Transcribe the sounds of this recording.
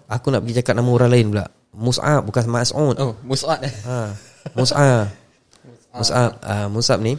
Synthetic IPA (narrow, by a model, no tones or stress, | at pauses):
akunaʔpəɡid͡ʒakat̪̚namauɾaŋlaɪnbula̰ʔ | musa̰t̚bukansamãasut̪musat̪a | musa | musat̪̚amusap̚ni